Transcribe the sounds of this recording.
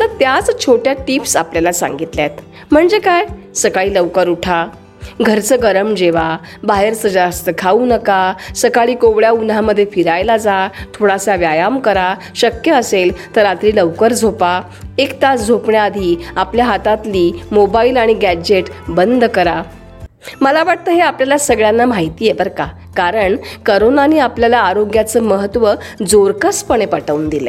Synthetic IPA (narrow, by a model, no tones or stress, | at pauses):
t̪əɾt̪jat͡st͡ɕʰoʈjaʈipsapljalasã̰ŋɡit̪ljat̪ | m̤əɳd͡zekaj | səkaɭiːləʋkəɾuʈʰa | ɡʱəɾt͡səɡəɾəmd͡ʑeʋabaɦeɾsəd͡zast̪əkʰaunəkasəkaɭiːkoʋɭjaunaməd̪ʱːjefiɾajlad͡zat̪ʰoɽasaʋjajamkəɾa | ɕəkjəəselt̪əɾat̪ɾiːləʋkəɾd͡zʱopa | ekt̪at͡sd͡zʱopɳjaːd̪ʱiːapljaɦat̪at̪liːmobailaɽ̃iɡæd͡ʑeʈbənd̪kəɾa | məlaʋaʈ̚t̪əɦeapljalasəɡɭjanːam̤aɦit̪iːjebəɾka | kaɾəɳkəɾonaniapljalaːɾoɡjat͡səːməɦət̪ʋəd͡zoɾkəspəɽ̃epəʈəund̪ile